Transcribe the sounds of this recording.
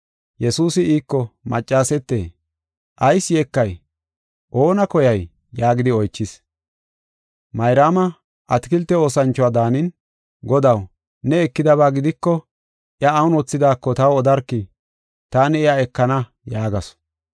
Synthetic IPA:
jɛsuːsɪiːkːɔmɐ̰t͡ʃʼːaːsɛt̪ːḛː | ʔɐjsjekːɐj | ʔo̞ːnɐkɔjɐjː | aːɡɪd̪ɪɔjt͡ʃːɪs | mɐjɾaːmɐ | ʔɐt̪ɪkɪlt̪ːɛo̞ːsɐnt͡ʃːɔwaːd̪aːnɪn | ɡɔd̪ɐw | nɛɛkːɪd̪ɐβaːɡɪd̪ɪkːɔ | ʔɪɐːwʊnɔt͡sːɪd̪aːkːɔt̪ɐwɔd̪ɐɾkːɪ | t̪aːnɪɛjaɛkːɐnɐ | jaːɡɐsɔ̥

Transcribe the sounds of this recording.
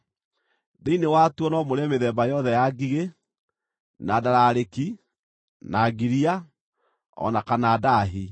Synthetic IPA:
ðeinewatuɔnɔmoɾeɛmeðɛːmbajɔðɛjaɡiɣe | nadaɾaɾeki | naɡiɾia | ɔ̰nakanaːdaɦi

